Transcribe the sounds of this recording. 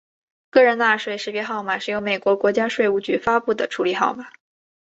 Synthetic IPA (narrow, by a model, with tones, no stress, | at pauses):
kɤ˥˩ɻə˧˥na˥˧ʂwe˥˩ɪʂɻ̩˥˩pjɛ˥xɑ˥˩ʊma˨˩ʂɻ̩˥˩jo˧˥ʊme˨˩ɪkwɔ˧˥kwɔ˧˥t͡ɕja˥ʂwe˥˧ɪu˥˩t͡ɕy˧˥fa˥pu˥˩d̪ə˩ʈ͡ʂʰu˧˥li˨˩xɑ˥˩ʊma˨˩˦